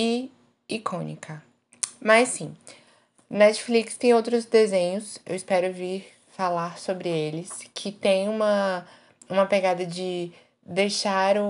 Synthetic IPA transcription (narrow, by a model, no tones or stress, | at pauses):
ɪ | ikʰõnḭkʰɐ | mɐsĩ | nɛt͡ʃflikst̪ẽj̃owt̪ɾʊzd̪ezẽɲʊsḛwispɛɾʊviɾ | falaɾsobɾɪelɪskʰɪt̪ẽj̃ũmɐ | ũmɐpeɡad̪ɐd͡ʒɪ | d̪ejʃaɾʊ